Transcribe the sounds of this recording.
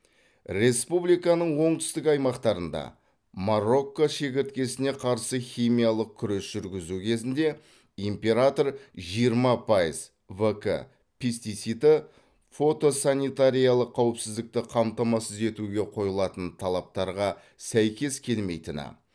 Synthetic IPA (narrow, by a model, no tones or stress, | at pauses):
ɾe̞spublikɑnəɴwo̞ɴt̪ʰʏ̥st̪ɪkɑjmɑqt̪ɑɾənd̪ɑ̰ | maro̞kːoʃe̞k̬ʲɪɾt̪̚kʲe̞sɪne̞qʰɑɾsəχʲijmʲijalˠəq̚kʲʰʏɾe̞sʒ̥ʏɾɡʲɪzukʲʰe̞zɪnd̪e̞ | impʲe̞ɾat̪o̞ɾʒijəɾmɑpʰɑjəz | vəkə̰ | pʰʲest̪it̪sit̪ɪ | fo̞t̪o̞sanijt̪aɾijalˠəqʰːɑwɪpsɪzd̪ɪk̚t̪ɪqʰɑmt̪ɑmɑsəze̞t̪uɡʲe̞qʰo̞jəlˠɑt̪ənt̪ʰɑlˠɑp̚t̪ɑɾʁɑ | sæjkʲe̞skʲʰe̞lme̞jt̪ɪnɪ̰